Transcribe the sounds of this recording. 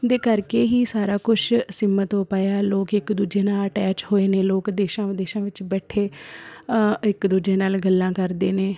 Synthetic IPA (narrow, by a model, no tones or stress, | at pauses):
d̪eːkəɾkeːɦiːsaːɾaːkʊt͡ʃʰsɪmət̪õːpaːjaːloːkɪkd̪uːd͡ʒeːnaːləʈɛːt͡ʃhoːeːneːloːkd̪eːʃãːʋd̪eːʃãːʋɪt͡ʃbɛːʈʰeː | ɪkd̪uːd͡ʒeːnaːlɡəlːãːkəɾd̪eːneː